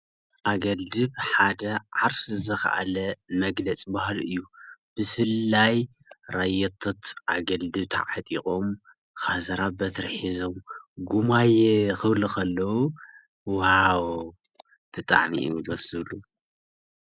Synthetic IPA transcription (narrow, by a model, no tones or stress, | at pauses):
ʔaɡɐld̪ɨβħad̪ɐʕaɾsuzɐxa̰ʔa̰lɐmɐɡlɐt͡sʼbahlɨjːub̥ɨfɨlːaj | ɾajɛt̪ʰːot̪ʰʔaɡɐld̪ɨβt̪ʰa̰ʕat̪ʼikʼom | xazɐɾabɐt̪ʰɨɾħizomɡumajxɨβlukʰɐlːɐwu | whawo | t̪ʰɨt̪ʼa̰ʕmḭʔḭd̪sɨβlu